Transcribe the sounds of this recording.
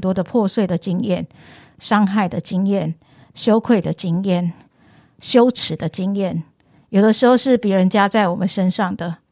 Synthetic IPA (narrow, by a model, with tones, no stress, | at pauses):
nt̪wɔ˥d̪ə˨pʰwɔ˥˧swe˥˩ɪd̪ə˩t͡ɕi˥ŋjɛ˥˩n | ʂɑ˥ŋxa˥˩ɪd̪ə˩t͡ɕi˥˦ŋjɛ˥˨n | ɕjo˥ʊkʰwe˥˩ɪd̪ə˩t͡ɕi˥ŋjɛ˥˩n | ɕjo˥ʊʈ͡ʂʰɻ̩˨˩d̪ə˦t͡ɕi˥ŋjɛ˥˩n | jo˨˩ʊd̪ə˦ʂɻ̩˧˥xo˥˧ʊʂɻ̩˥˩pi˨˥ɻə˧˦nt͡ɕja˥t͡sa˥˩ɪwɔ˨˩mə˦nʂə˥nʂɑ˥˩ŋd̪ə˩